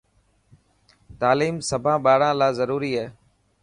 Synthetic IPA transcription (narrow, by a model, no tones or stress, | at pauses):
t̪aːliːmsəbʱãːɓaːɽãːlaːzəɾuːɾiːɦɛː